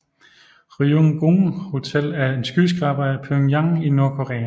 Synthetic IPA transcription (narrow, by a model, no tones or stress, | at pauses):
ʁioŋɡ̥oŋho̝t͡sʰel̰æɐe̝nsɡ̥ysɡ̥ʁɑb̥ɐæpʰøŋjɑŋino̝ɐkʰoʁɛ̰ːæ